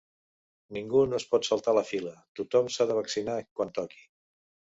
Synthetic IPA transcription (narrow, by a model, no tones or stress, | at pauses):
niŋɡunoəspɔt̪səlˠt̪aləfilət̪ut̪ɔmsaðəβəksinakwant̪ɔki̥